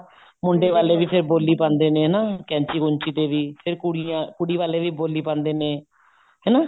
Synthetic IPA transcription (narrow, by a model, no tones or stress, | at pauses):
mʊɳɖeːʋaːleːʋiːpʰɪɾboːlːiːpãːnd̪eːnẽːɦnaːkɛ̃ːɲt͡ʃiːkʊɲt͡ʃiːt̪eːʋiːpʰɪɾkʊɽkʊɽiːʋaːleːʋiːboːliːpãːnd̪eːneː | ɦɛːnaː